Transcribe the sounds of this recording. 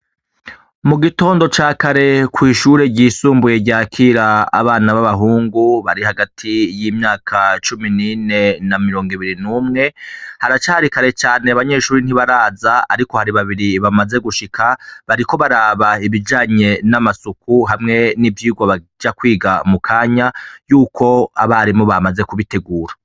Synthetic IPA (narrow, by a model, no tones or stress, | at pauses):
muɡito̞ːndo̞t͡ʃaːkaɾe̞kwiːʃuːɾe̞ɟiːsuːmbuje̞ɟaːkʰiːɾa̰ːβaːnaβaβaɦuːŋɡuβaɾihaɡatʰijiːmɲaːkʰat͡ʃuminine̞namiɾo̞ːŋɡiβiɾinumŋe̞haɾat͡ʃaːhaɾikaɾe̞t͡ʃaːneaβaɲe̞ʃuːɾin̥iβaɾaːzaaɾiko̞haɾiβaβiɾiβamaze̞ɡuʃikʰaβaɾiko̞βaɾaːβaiβid͡ʒaːɲe̞namasukuɦamŋe̞nivjiːɡwaβa | d͡ʒakwiːɡamukʰaːɲajuːkʰo̞a̰βaɾimoβamaze̞kuβite̞ɡuːɾa